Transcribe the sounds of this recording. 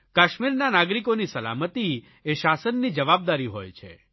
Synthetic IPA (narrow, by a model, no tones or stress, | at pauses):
kaʃmiɾnanaɡɾikonisəla̰mət̪i | eʃasənːid͡ʒəʋab̚d̪aɾiɦo̰jt͡ʃʰḛ